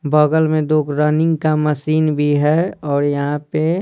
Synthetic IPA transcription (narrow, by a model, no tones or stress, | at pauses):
bəɡəlmẽd̪oːkɾənɪ̃ŋɡkaməsiːnbʱiɦɛɔːɾjɐɦãpe